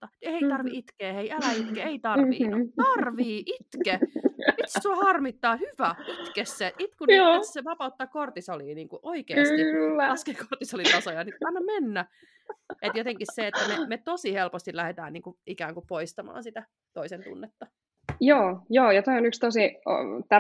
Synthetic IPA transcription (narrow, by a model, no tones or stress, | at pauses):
ɑeit̪ɑrʋiit̪keːheiælæit̪keeit̪ɑrʋiːt̪ɑrʋiːʔit̪kemit̪st̪uɑhɑrmit̪ːɑːhyʋæit̪kesːeit̪kunoisseʋɑpɑut̪ːɑkort̪isoliːniːŋkuʔoikekːsilːlɑskekort̪isolit̪ɑsojɑniɑnːɑmmenːæ | ʔet̪jot̪eŋkisseet̪ːæmemet̪osihelpost̪ilæhet̪æ̰ːnniːŋkuʔikæːŋkupoist̪ɑmɑ̰ːnsit̪æ | t̪oisent̪ṵnːet̪ːɑ | joːjoːjɑt̪oionykst̪osio̰t̪æ